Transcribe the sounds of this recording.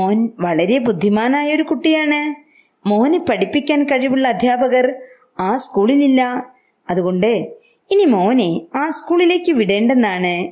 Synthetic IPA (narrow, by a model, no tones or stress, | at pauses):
oːnʋɐɭɐɾebud̪ʱːimaːnaːjɐo̞ɾukuʈːijaːɳɨ | mo̞ːnepɐɽipːikʲːaːnkɐɻiʋuɭːɐːd̪ʱjaːbɐɣɐr | aːskuːɭililːɐ | ɐðuɣo̞ɳɖɨ | inimo̞ːneaːskuːɭile̞ːkːɨʋiɽe̞ːɳɖe̞nːaːɳɨ